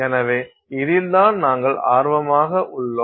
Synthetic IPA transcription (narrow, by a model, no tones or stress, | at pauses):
ɛnɐʋeː | ɪðɪld̪aːnnaːŋɡɐɭaːɾʋɐmaːɣɐʔʊɭːoː